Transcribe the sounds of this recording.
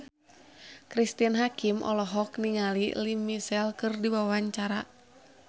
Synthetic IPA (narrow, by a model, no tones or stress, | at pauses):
kɾist̪ianɦakimʔɔ̰lɔɦɔkniŋalḭlimisɛlkɨrdiwawaɲt͡ʃaɾa